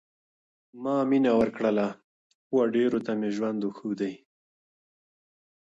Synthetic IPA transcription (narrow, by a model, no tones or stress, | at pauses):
mɑminawəɾkɽəla | xwaɖeɾot̪ameʒwand̪uxuwd̪aj